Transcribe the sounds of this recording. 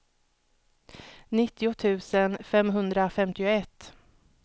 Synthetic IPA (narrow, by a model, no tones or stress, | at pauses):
nɪt̪ːɪʊt̪ʰʉ̟ːsənfɛmɦɵnd̪ɾafɛmt̪ɪʊɛt̪ː